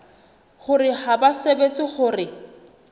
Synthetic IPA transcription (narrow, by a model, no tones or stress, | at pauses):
χʊrɪhabasebet͡sʼɪχʊrɪ